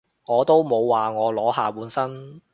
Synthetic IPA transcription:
ŋɔː˨˧t̪o˥wmo˨˧wːaː˨ŋɔː˨˧lɔː˨˥ɦaː˨puː˨˥nsɐ˥n

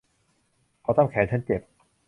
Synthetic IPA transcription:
kʰɔː˨˦t̪a˥˨ŋkʰɛː˨˦t͡ɕʰa˦˥nt͡ɕe˨˩p̚

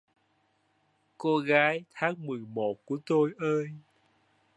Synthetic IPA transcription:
ko˧ɣaː˨˦jt̪ʰaː˨˦ŋmɨ˨˩əjmo˨˩t̚ku˧˩ət̪o˧jʔəː˧j

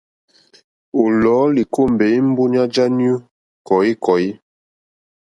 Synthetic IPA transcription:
o˨lɔː˨˦li˨ko˦˨m˨be˨˦i˦m̩˦bu˦ɲa˦d͡ʒa˦n˦u˦ | kɔ˨i˦kʰɔ˨ji˦

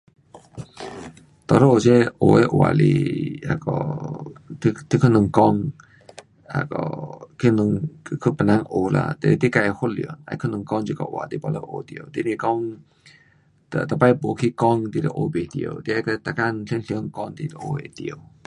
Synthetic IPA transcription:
t̪ɔ˨lə˦ʔo˨t͡ɕɛ˧ʔo˨e˧˦ʔwa̰˨lḭ˧a̰˧˩kɔ̰˧˨˧ | t̪ʰi˧kʰu˧nɨ˧˨ŋkɔ˧ŋ | a̰˧˨kɔ̰˧kʰi˧˦nu˧˨ŋkʰu˧˦pə˨nã˧ŋʔo˧la̰˧t̪e˧t̪i˦ka˧ho˦lḭ˨ə˨na̰˧˦kʰə˦nɨ˧˨ŋkɔ˧ŋt͡ʃi˧kɔ̰˧˨ʔwa̰˨t̪i˧˦ba˧lə̰˧˦ʔo˧t̪i˧ə˧˨t̪i˧˦ni˧˨kɔ˧ŋ | t̪ə̰˨t̪ə˨pa˧jpo˨kʰi˧kɔ˧ŋt̪i˧d̪ə˨ʔo˧be˨t̪i˧ə̰˧wt̪i˧a˧kə˧t̪a˧˨ka˧nɬi˧˦nɬi˧ə˧ŋkɔ˧ŋt̪i˧də˨ʔo˧e˧t̪i˧ə˧˩

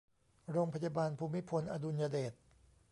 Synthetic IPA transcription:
ɾoː˧ŋpʰa˧jaː˧baː˧npʰuː˧mːi˦˥pʰo˧nʔa˧du˧njaː˧deː˨˩t̪̚

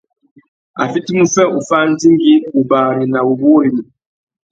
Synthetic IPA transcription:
a̰˨fi˦ti˦mu˦fɛ˦u˨fa˦n̩˦di˦ŋɡi˦u˨baː˨ɾi˨na˨bu˨bo˦ɾi˨mi˨

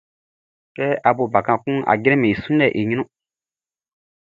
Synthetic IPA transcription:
kɛ˦a˨bo˨ba˨kã˨kũ˦ʔa̰˨ɡɾɛ̃˦me˨i˨sũ˦nɛ˦˨ʔe˨ɲĩ˦nũ˦

